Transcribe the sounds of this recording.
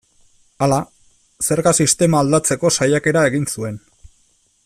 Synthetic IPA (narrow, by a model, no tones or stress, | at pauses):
ala | se̞ɾɣasist̪e̞maːld̪at͡se̞ko̞sajake̞ɾae̞ɣ̞insue̞n